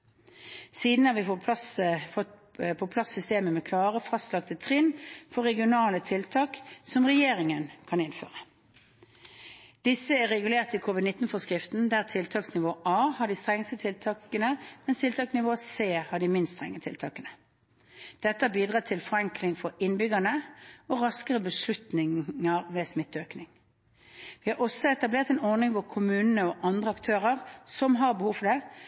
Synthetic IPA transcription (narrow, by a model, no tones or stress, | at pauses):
siːd̪n̩ɑʋɪfɔpʰɑsfɔ | pʰɔpʰlɑsːʏst̪eːməmɛkʰlɑːʁəfɑst̪lɑkt̪ət̪ʰʁɪnfɔʁɛɡɪʊnɑːlət̪ʰɪlt̪ʰɑːksɔmʁɛjeːʁɪŋənkʰɑnɪnfø̰ːʁə | d̪̥ɪsːəæʁɛɡʉleːʁt̪əɪːkʰuːʋɪd̪nɪt̪ːn̩fɔskɾɪft̪n̩d̪æːʁt̪ʰɪlt̪ʰɑːksnɪʋoːʔɑːhɑɖ̪ist̪ʁɛŋəst̪ət̪ʰɪlt̪ʰɑːkənəmɛnst̪ʰɪlt̪ʰɑːksnɪʋoːseːhɑd̪imɪnst̪st̪ʁɛ̰ŋːət̪ʰɪ̰lt̪ʰɑ̰ːkənə | d̪̥ɛt̪ːəɑbiːd̪ʁɑːt̪ʰɪlfɔʁɾɛŋklɪŋfɔɾɪnbʏɡɑnəɔʁɑskəʁəbəʂlʉt̪nɪŋəʁʋɛːsmɪt̪ːøːknɪŋ | ʋɪːhɑʁɔsɔɛt̪ɑbleːʁt̪ɛnɔʁnɪŋʋɔkʰʊmʉːnənəɔʔɑnd̪ʁəɑkt̪ʰøːʁəʁsɔmɦɑʁbəhuːfɔɾd̪ɛ